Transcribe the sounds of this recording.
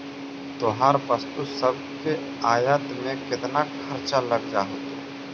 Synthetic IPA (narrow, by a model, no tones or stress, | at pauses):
t̪oɦaːɾpəst̪usɐb̚ | ke | aːjaːt̪mẽkɪt̪nakʰɐɾt͡ʃaləɡ̚d͡ʒaːɦət̪a